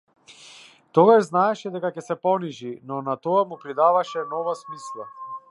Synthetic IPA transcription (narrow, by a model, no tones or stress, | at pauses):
t̪ɔɡaʒznaɛʃɛd̪ɛkacɛsɛpɔniʒinɔnat̪ɔamupɾid̪avaʃɛnɔvasmislˠa